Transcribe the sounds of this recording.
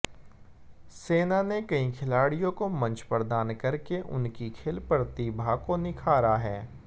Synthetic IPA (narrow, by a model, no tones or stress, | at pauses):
seːnanekɐĩkʰɪlaːɽijõkomɐ̃ɲt͡ʃpəɾd̪aːnkɐɾkeʔʊ̰nkikʰeːlpəɾt̪ibʱakonɪkʰaːɾaɦɛː